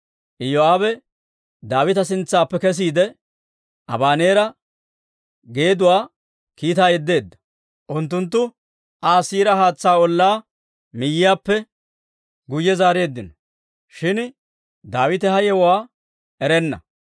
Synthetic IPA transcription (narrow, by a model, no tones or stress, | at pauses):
ʔɪjoaːbɛ | d̪aːwɪt̪ɐs̬ɪnt͡sːaːpːɛkɛs̬iːd̪ɛ | ʔɐbaːne̞ːɾɐ | ɡe̞ːd̪ʊwaː | kiːt̪aːjɛd̪ːe̞ːd̪ːɐ̥ | ʔʊnt̪̬ːʊnt̪ːʊ | ʔaːsiːɾɐɦaːt͡sːaːɔlːaː | mɪjːɪjaːpːɛ | ɡʊjːɛzaːɾe̞ːd̪ːɪnɔ | ʃɪn | d̪aːwɪt̪ɛhɐjɛwwaː | ɛɾɛnːɐ̰